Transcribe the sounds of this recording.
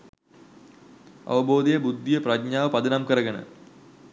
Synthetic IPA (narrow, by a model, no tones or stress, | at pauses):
ɐ̰ʋɐbo̞ːd̪ijɐbud̪ʱːijɐprɐɡɲaːʋɐpɐd̪inɐmkɐrɐɡɐnɨ̰